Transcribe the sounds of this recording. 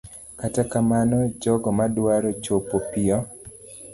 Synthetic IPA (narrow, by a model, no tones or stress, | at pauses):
katakamanɔd͡ʒɔɡɔmadwaɾot͡ʃopopiɔ